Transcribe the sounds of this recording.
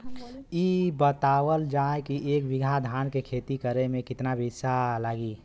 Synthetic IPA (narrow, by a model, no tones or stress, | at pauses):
ibət̪aːwəld͡ʒaekiʔeːkbɪɡʱad̪ʱaːnkekʰet̪ikəɾemẽkɪt̪nabisalaːɡi